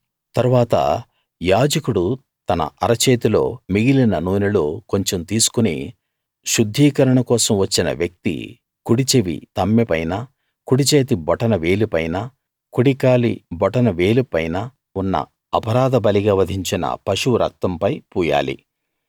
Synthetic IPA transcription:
t̪ɐɾuʋaːt̪ɐ̰ | jaːd͡ʒɐkuɽu | t̪ɐnɐ̰ʔɐɾɐt͡ʃeːt̪ilo̞̰ːmiɡilinɐnuːnɐloːko̞ɲt͡ʃemt̪iːsu̥kunḭ | ʃud̪ʱːiːkɐɾɐɳɐkɔːsɐmʋɐt͡ʃːinɐ̰ʋjɐk̚t̪ḭ | kuɽit͡ʃeʋḭt̪ɐmːepɐjnɐ | kuɽit͡ʃeːt̪ibɔʈɐnɐʋe̞ːlupɐjnɐ | kuɽikaːlḭbɔʈɐnɐʋe̞ːlupɐjnɐ | unːɐ̰ | ɐpɐɾaːd̪ɐbɐliɡaːʋɐd̪ʱiɲt͡ʃinɐ̰pɐʃuɾɐ̰k̚t̪ɐmpɐjpuːja̰ːlḭ

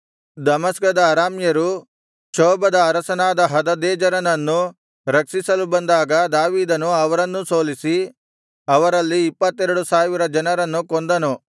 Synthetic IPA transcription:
d̪ɐmɐskɐd̪ɐːɾaːmjɐɾu | ʃɔːbɐd̪ɐːɾɐsɐnaːd̪ɐɦɐd̪ɐd̪ɛːd͡ʒɐɾɐnɐnːu | ɾɐksisɐlubɐnd̪aːɡɐd̪aːʋiːd̪ɐnuɐʋɐɾɐnːuso̞ːlisi | ɐʋɐɾɐlːiːpːɐt̪ːɛɾɐɽusaːʋiɾɐd͡ʒɐnɐɾɐnːukond̪ɐnu

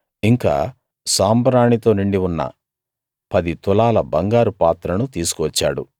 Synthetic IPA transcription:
iŋka̰ː | saːmbɐɾaːɳit̪o̞ːniɳɖiʋunːɐ̰ | pɐd̪it̪ɔlaːlɐbɐŋɡaːɾupaːt̪ɾɐnut̪iːsu̥kuʋɐt͡ʃːa̰ːɽṵ

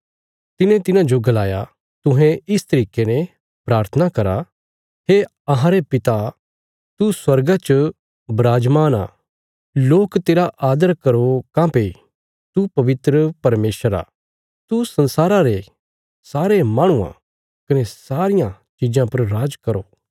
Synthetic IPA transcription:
t̪ɪnẽt̪ɪnãd͡ʒoɡɐlaːja | t̪ʊ̃ɦɛ̃ɪst̪ɐɾiːkenɛ̃ | pɾaːɾt̪ʰənakɐɾa | ɦeː | ɐɦãɾepɪt̪a | t̪uswɐɾɡat͡ʃə | bɾaːd͡ʒmaːna̰ː | loːkt̪eːɾaʔaːd̪əɾkɐɾokãpe | t̪upɐʋɪt̪ɾəpɐɾmeːsəɾa̰ː | t̪usɐ̃nsaːɾãɾe | saːɾemaːɽ̃ʊã̰ | kɐnesaːɾɪjã | t͡ʃɪd͡ʒãpɐɾːaːd͡ʒkɐɾoː

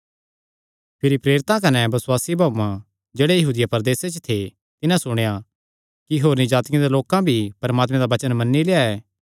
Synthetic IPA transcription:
pʰɪɾipɾeːɾɪt̪ãkɐnɛbɐswaːsibʱaːmã | d͡ʒeːɽejɐɦuːd̪ɪjapɐɾd̪eːset͡ʃət̪ʰe | t̪ɪnãsʊɽ̃eja | kiɦoːɾnid͡ʒaːt̪ɪkjẽd̪eloːkãbʱipɐɾmaːt̪mẽd̪aʋɐt͡ʃənmɐnːileːaɛː

